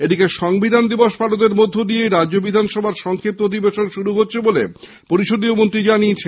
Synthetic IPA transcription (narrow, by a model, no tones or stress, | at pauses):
ed̪ikeʃɔŋbid̪ʱand̪iboʃpalot̪̬eɾmod̪ʱːod̪iejɾaʑobid̪ʱanʃɔbʱaɾʃɔŋkʰep̚t̪ot̪̬ibeʃonʃuɾuɦotːɕʰebole | poɾiʃod̪iomont̪ɾid͡ʑanijet͡ɕʰe